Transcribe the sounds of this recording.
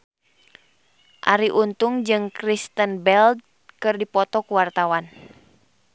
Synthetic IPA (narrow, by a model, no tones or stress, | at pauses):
ʔa̰ɾiʔunt̪uŋd͡ʒɨŋkɾist̪ənbɛld̚ | kɨrdipɔt̪ɔkuwart̪awan